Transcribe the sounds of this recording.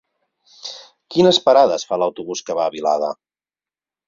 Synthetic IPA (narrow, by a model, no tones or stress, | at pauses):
kinəspəɾaðəsfaləwt̪uβuskəβaːβilaðə̰